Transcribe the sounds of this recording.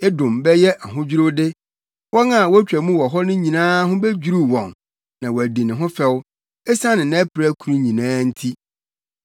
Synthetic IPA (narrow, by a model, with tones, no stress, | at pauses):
e˦dʊ̃˨mbɛ˦jɛ˦ʔa˨ɦʊ̃˦d͡ʑᶣi˦ɾo˦dɪ˦ | wɔ˦na˨wɔ˦æ˦t͡ɕᶣæ˨mũ˦wɔ˨ɦɔ˦nʊ̃˦ɲĩ˨nãː˦ɦʊ̃˦bɛ˦d͡ʑu˨ɾu˦wɔ̃˨n | nã˨wɔ˨æ˨di˨nɪ̃˨ɦʊ̃˦fɛ˦w | ɛ˦sã˦nɪ̃˨nã˦pʰɪ˨ɾæ˦kʰu˨ɾũ˦ɲĩ˨nãː˦n̩˦tʰi˦